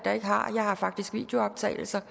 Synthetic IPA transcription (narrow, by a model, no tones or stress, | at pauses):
d̥ɑ̈e̝ɡ̥əɦɑ̈jɑ̈ɪhɑ̈fɑ̈ɡ̥d̥isɡ̥ʋḭːd̥jo̝ɒ̽b̥̚t͡sʰɛ̰ːɪl̩sɐ